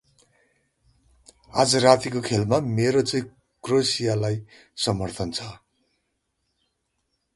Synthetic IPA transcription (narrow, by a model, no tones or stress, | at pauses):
ad͡zʌrat̪ikokʰelmameɾot͡sʌĩ | krosijalaj | sʌmʌrt̪ʰʌnt͡sʰʌ